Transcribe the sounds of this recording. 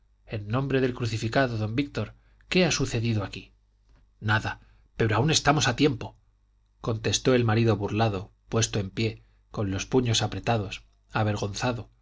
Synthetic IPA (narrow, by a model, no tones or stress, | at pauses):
e̞nːõ̞mbɾe̞ðe̞lkɾuθifikaðoðo̞mbik̚t̪o̞ɾ | ke̞asuθe̞ðiðoaki | naða | pe̞ɾoaune̞st̪amo̞sat̪je̞mpo̞ | ko̞nt̪e̞st̪o̞e̞lmaɾiðo̞βuɾlaðo̞pwe̞st̪o̞e̞mpje̞ | ko̞nlo̞spuɲo̞sapɾe̞t̪aðo̞s | aβe̞ɾɣo̞nθaðo̞